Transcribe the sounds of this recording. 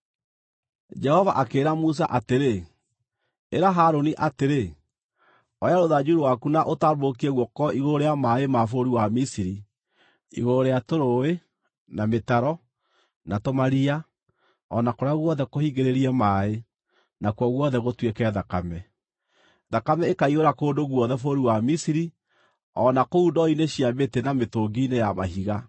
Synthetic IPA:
d͡ʒɛhɔvaʔakeːɾamus̬aʔateɾe | eɾaɦaɾoniʔateɾe | ɔjaɾoðad͡ʒuɾowakunaʔotaβokieɣwɔkɔʔiɣooɾeamaemafoɾiwamisiɾi | ḭɣooɾeatoɾoe | nametaɾɔ | natomaɾia | ɔnakoɾaɣwɔðɛkohiɡeɾeɾiɛmae | nakwɔɣwɔðɛɣotwekɛðakamɛ | ðakamɛekaiɣoɾakoːndoɣwɔðɛfoɾiwamisiɾi | ɔnakoundɔineɕiabetenametoːɡinejamaɦiɣa

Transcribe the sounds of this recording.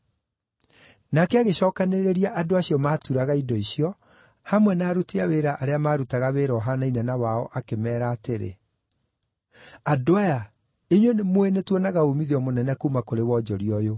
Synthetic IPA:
nakɛaɣeɕɔːkaneɾeɾiaʔadoaɕiɔmaːtuɾaɣaidɔiɕiɔ | hamwɛnaːɾuteaweɾaʔaɾeamaɾutaɣaβeɾɔɦanainɛnawaɔʔakemɛːɾaːteɾḛ | adoaja | eɲwenemoenetwɔnaɣaumiðeɔmonɛnɛkuːmakoɾewɔd͡ʑɔɾiɔjo

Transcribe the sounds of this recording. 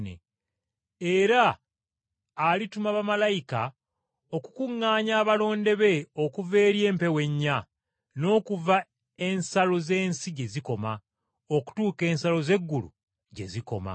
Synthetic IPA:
nḛ | eɾa | litumaβamalajika | o̞kukuŋːaːɲaːβalo̞ːnde̞βe̞o̞kuve̞ːɾje̞ːmpe̞we̞ɲːa | no̞ːkuva | e̞nsalo̞ze̞ːnsiɟe̞ziko̞ma | oku̥tuːke̞ːnsalo̞ze̞ɡːulṵ | ɟe̞̰ziko̞̰ma̰

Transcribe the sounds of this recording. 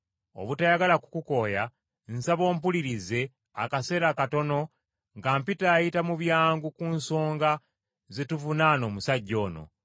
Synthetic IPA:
o̞̰βutajaɡalakukuko̞ja | nsaβo̞ːmp̬uliɾize̞ | a̰kase̞ːɾakato̞no̞ | ŋɡaːmpitaːjitamuβjaːŋɡukunso̞ːŋɡa | zetuvunaːno̞ːmusaɟːo̞ːno̞̰

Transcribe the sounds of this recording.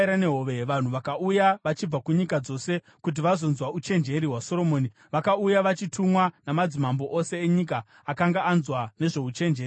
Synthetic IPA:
ɾane̞ɦoʋe̞ʋan̤uʋakaujaʋat͡ʃib͡vakuɲikad͡zo̞se̞ | kut̬iʋazo̞nzwaut͡ʃe̞nd͡ʒe̞ɾiɦwaso̞ɾo̞moːni | ʋakaujaʋat͡ʃitʰumwanamad͡zimambo̞ʔose̞ːɲik̬aː | kaŋɡaːnzwane̞ʐe̞ut͡ʃe̞nd͡ʒeːri

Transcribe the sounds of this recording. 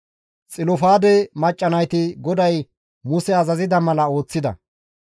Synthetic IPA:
t͡sʼɪlɔfaːd̪ɛmɐt͡ʃʼːɐnɐjt̪ɪɡɔd̪ɐj | mʊsɛɐzɐzɪd̪ɐmɐlɐo̞ːt͡sːɪd̪ɐ̰

